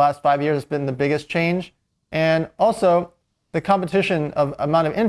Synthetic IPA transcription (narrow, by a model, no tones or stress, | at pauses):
æstfaɪvjɪɹzɨsb̥ɨ̃n̩ðɨbɪɡɨst͡ʃʰẽɪ̃nd͡ʒ | ʔɨ̃nɔlˠsoʊ | ðɨkʰɑ̃mpɨtʰɪʃɨ̃nʌvə̰mãʊ̃ñʌvɪ̃n